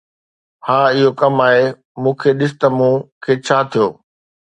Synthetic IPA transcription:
haːɪɦokɐmaːɦe | mũːkʰeɗɪsɪ̥t̪ɐmũːkʰeːt͡ɕʰaːt̪ʰijoː

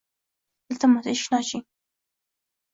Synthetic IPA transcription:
d̪̥əlt̪amazeʃnɑt͡ʃi

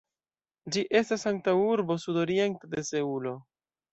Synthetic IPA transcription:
d͡ʒiʔe̞stasaŋk̚tauɾbo̞sudo̞ɾie̞ntede̞se̞ulo̞

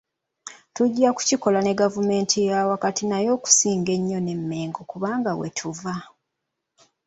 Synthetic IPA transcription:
tuɟːaku̥ciko̞lane̞ɡavume̞ːntʰijawakatinajo̞ːku̥siːŋɡe̞ɲːo̞ne̞mːe̞ːŋɡo̞kuβaːŋɡawḛtʰuva

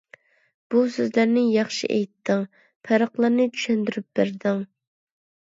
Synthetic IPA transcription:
b̥usøzlæɾnɪjɑχʃḭʔɛjt̪ʰːɪŋ | pʰæɾəqlˠɑɾnɨt͡ʃʰy̥ʃɛnd̪yɾyp̚beɾd̪ɪŋ

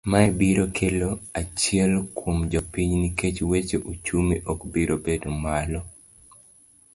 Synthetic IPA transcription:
maɛbiɾokʰeloat͡ʃɪɛlkwomd͡ʒɔpiɲniket͡ʃwet͡ʃeʔut͡ʃumiʔɔkbiɾobedmalɔ

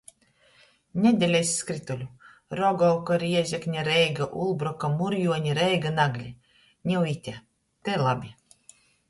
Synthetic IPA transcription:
nʲɛd̪ʲɛlʲɛjsʲːkɾit̪ulʲu | ɾɔɡɔwkɔɾiɛzʲɛknʲaɾɛjɡaʔṵlˠbɾɔkamuɾjuɔɲʲiɾɛjɡanaɡlʲi | nʲiwit̪ʲɛ | t̪ɛlˠabʲi

